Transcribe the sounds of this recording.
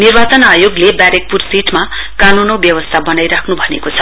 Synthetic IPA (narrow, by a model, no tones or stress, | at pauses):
nirbat͡sʌnajoɡlebaɾek̚pursiʈma | kanunʌwbjʌwʌst̪ʰabʌnajɾakʰnubʱʌnḛkot͡sʰʌ̥